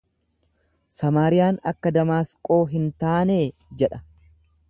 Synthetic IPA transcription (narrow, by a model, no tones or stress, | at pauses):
sɐmaːɾɪjaːnɐkːɐd̪ɐmaːskʼo̞ːɦɪnt̪aːneːd͡ʒɛᶑɐ